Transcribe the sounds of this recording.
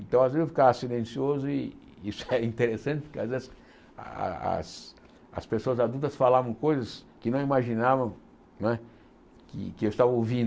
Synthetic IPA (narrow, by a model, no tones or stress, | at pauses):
ẽnt̪ɐ̃w̃azvezewfi̥kavsilẽsiozʊɪisʊ̥ɛɾɐĩnt̪eɾesɐ̃nt͡ʃ̪ɪpʊɾkeazvezɪs | a̰s | ɐ̰spesoɐzad̪uwt̪ɐsfalavɐ̃w̃kojzɐskɪnɐ̃w̃imaʒinavɐ̃ | nɛ | kɪ̰kɪewɪst̪avɐowvĩnd̪